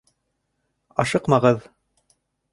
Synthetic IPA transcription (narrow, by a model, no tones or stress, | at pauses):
ɑʃɤqmɑʁɤð